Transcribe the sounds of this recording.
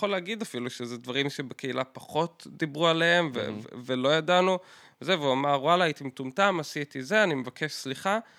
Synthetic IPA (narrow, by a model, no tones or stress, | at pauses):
oleaɡid̪afiluʃezedvaʁimʃebeke̞ilapaχo̞tdibʁualeemvḛvḛvelo̞jadanu | vezeveuamaʁwalaːit̪imitumtamasit̪izeanimevakʰe̞ʃsliχa